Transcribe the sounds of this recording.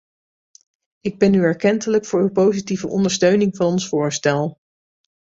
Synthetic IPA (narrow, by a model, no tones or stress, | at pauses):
ɪɡ̚bɛnyɛɹkɛntələkfʊːɹypowzitivəʔɔ̰ndəɹstøɥnɪŋvɑnɔnsfʊːɹstɛlˠ